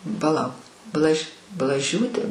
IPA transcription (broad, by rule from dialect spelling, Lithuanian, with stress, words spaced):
pɐˈlˠɐʊk ˈblˠɐʃʲ blˠɐˈʒʲuːtʲeː